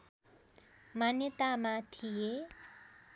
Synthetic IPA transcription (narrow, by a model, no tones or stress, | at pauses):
manjʌt̪amat̪ʰije